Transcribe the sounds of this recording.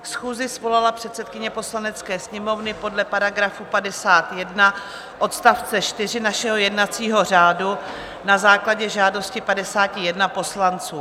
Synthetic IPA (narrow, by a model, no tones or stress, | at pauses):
sxuːzɪsvo̞lalapr̝̥ɛt̪sɛt̪̚kɪɲɛpo̞slanɛt͡skɛːsɲɛmo̞vnɪpo̞dlɛpaɾaɡɾafupadɛsaːt̪jɛdna | ʔo̞t̪st̪aft͡sɛt͡ʃt̪ɪr̝ɪnaʃɛɦojɛdnat͡siːɦo̞r̝aːdu | nazaːklaɟɛʒaːdo̞scɪpadɛsaːcɪjɛdnapo̞slant͡suː